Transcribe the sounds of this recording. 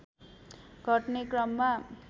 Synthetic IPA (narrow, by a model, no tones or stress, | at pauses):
ɡʱʌʈnekrʌmːa